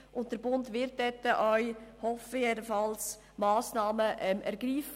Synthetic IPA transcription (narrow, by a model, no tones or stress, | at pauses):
ʔʊntd̥əɾbʊndvɪɾt̚d̥ɛtːəʔœʏhɔfjedəfɑls | mɑːsnɑːməʔɛmʔɛɾɡɾiːf